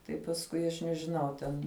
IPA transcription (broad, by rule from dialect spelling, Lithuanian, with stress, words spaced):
tɐɪ pɐsˈkʊɪ ɐʃ nʲɛʒʲɪˈnɐʊ ˈtʲɛn